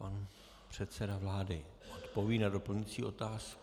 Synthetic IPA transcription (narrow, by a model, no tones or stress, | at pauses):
pan | pr̝̥ɛt̪sɛdavlaːdɪ | ʔot̪po̞viːnado̞pl̩ɲɪt͡siːot̪aːsk